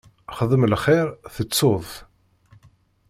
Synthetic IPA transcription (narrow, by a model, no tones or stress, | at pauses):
χəðˤəmlχɪɾθət͡sːoðˤ